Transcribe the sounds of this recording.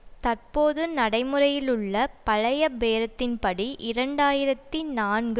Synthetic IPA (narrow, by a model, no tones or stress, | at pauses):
t̪ɐrpoːðɯnɐɽɐɪmɯɾɐjɪlɯɭːɐpɐɻɐjɐbeːɾɐt̪ːɪnpɐɽiʔɪɾɐɳɖaːjɪɾɐt̪ːinaːnɡɯ